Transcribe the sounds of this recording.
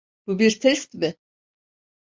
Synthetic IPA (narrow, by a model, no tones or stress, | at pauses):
b̥ubiɾt̪ʰɛst̪mɪ